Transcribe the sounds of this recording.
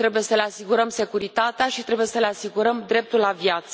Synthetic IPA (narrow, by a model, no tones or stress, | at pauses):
t̪ɾe̞buje̞səle̞asiɡuɾəmse̞kuɾit̪at̪eaʃit̪ɾe̞buje̞səle̞asiɡuɾəmd̪ɾe̞p̚t̪ulavjat̪sə